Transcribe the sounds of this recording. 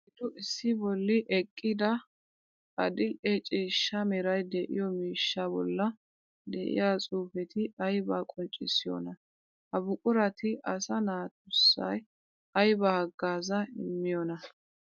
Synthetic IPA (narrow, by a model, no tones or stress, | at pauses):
ɪd̪ʊʔɪsːɪbɔlːɪʔɛkʼːɪd̪ɐ | ɐ̰d̪ɪlʔɛt͡ʃʼiːʃːɐmɛɾɐjd̪ɛʔɪ̰jɔmiːʃːabɔ̰lːɐ | d̪ɛ̰ʔɪ̰jaːt͡sʼuːfɛt̪ʰɪɐjbaːkʼɔnt͡ʃʼɪ̰sːɪjɔ̰nɐ | ɐbʊkʼʊɾɐt̪ɪʔɐsɐnaːt̪ʊsːɐ̰j | ɐjbɐhɐɡːaːzɐɪ̰mːɪjɔnɐ